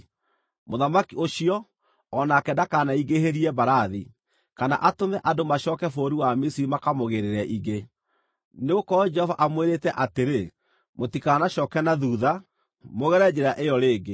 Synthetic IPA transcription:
moðamakioʃiɔ | ɔnakɛdakanaiɡeheɾiɛbaɾaði | kana̰ʔatomɛʔadomaɕɔkɛfoɾiwamisiɾimakamoɣeɾeɾɛʔiɣe | neɣokɔd͡ʒɛhɔvaʔamweɾetɛʔateɾe | motikanaɕɔːkɛnaðuːða | moɣɛɾɛd͡ʒeɾaʔejɔɾeːɡe

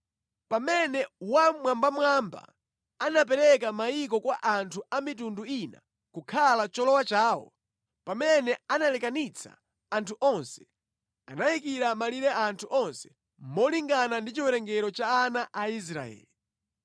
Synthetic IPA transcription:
pamɛnɛwamwambamwamba̰ | anap̬ɛɾɛkamaik̬ɔkwaʔantʰuamit̬unduina̰ | kukʰalat͡ʃɔlɔwat͡ʃaːwɔ̰ | pamɛnɛanalɛkanit͡sʰa̰ː | ntʰuʔɔnsɛ̥ | anaikiɾamaliɾɛʔantʰuʔɔnsɛ̥ | mɔliŋɡanandit͡ʃiwɛɾɛŋɡɛɾɔt͡ʃaːnaʔais̬ɾa̰ɛ̰ːli

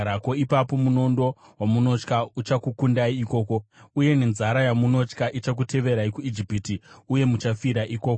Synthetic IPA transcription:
ɾako̞ipapo̞muno̞ndo̞ | wamuno̞t͡ʃkaut͡ʃakukundaiːko̞ːko̞uje̞ne̞nzaɾajamuno̞t͡ʃkaʔit͡ʃak̬utʰe̞ʋe̞ɾaikuid͡ʒipitiuje̞mut͡ʃafiɾaʔiko̞ːko

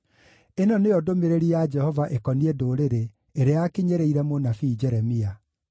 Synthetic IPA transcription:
enɔneɔdomeɾeɾiad͡ʒɛhɔvaʔekɔniɛdoːɾeɾe | eɾeakiɲeɾeiɾɛmonafiːd͡ʒɛɾɛmia

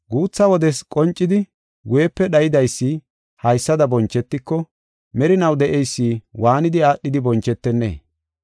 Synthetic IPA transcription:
ɡuːt͡sːɐwɔd̪ɛskʼɔnt͡ʃʼːɪd̪ɪ | ɡʊjɛpːɛɗɐjɪd̪ɐjsːi | hɐjsːɐd̪ɐbɔnt͡ʃːɛt̪ːɪkːɔ | mɛɾɪnɐwd̪ɛʔɛjsːiːwaːnɪd̪ɪaːɗːɪd̪ɪbɔnt͡ʃːɛt̪ːɛnːḛː

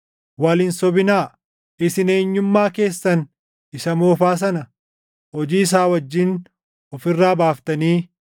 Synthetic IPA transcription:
waːlɪnsɔbɪnaː | ɪsɪne̞ːɲːʊmːaːke̞ːsːɐn | ɪsɐmoːfaːs̬ɐnɐ | hɔd͡ʒiːs̬aːwɐd͡ʒːɪn | ɔfɪrːaːbaːft̪ɐniː

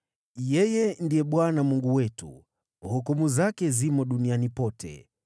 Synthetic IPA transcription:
jɛjɛndijɛɓwanamuŋɡuwɛtṵ | hɔkɔmuzakɛzimɔɗunianipɔtʰɛ̰

